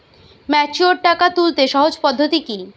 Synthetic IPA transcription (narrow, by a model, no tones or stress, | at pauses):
mɛt͡ɕuoɾʈakat̪ult̪eʃɔɦod͡ʑpɔd̪ʱːot̪iki